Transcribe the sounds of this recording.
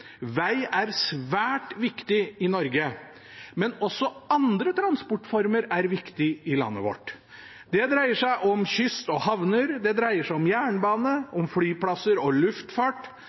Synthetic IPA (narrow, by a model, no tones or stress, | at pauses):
ʋæɪæɾsʋæːʈʋɪkt̪ɪɪnɔɾɡə | mɛnɔsːɔɑnd̪ɾət̪ʰɾɑnspɔʈfɔɾməɾæɾʋɪkt̪ɪɪlɑ̰nːə̰ʋɔ̰ʈ | d̪ɛd̪ɾæɪəʂæɪʔɔmçʏst̪ɔhɑʋnəɾd̪ɛd̪ɾæɪəʂæɪɔmjæːɳbɑːnəʔɔmflyːplɑsəɾɔlʉft̪fɑʈ